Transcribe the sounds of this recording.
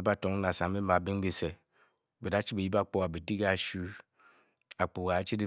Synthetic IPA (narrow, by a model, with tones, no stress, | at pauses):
ba˦to˨ŋ˦na˨sa˨˦e˦ma˨bi˦ŋ˦ɡ͡be˨se˨ | be˨da˦t͡ʃi˦be˨ji˦ba˦k͡po˦wa˨bi˨di˦ɡa˦˨ʃu˦ | a˨k͡po˨wa˨˦t͡ʃi˦di˦˨